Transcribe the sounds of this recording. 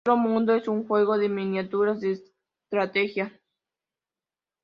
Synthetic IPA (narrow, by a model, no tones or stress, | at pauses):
ɾomũnd̪oesuŋxweɣoðeminjat̪uɾasd̪es | t̪ɾat̪exja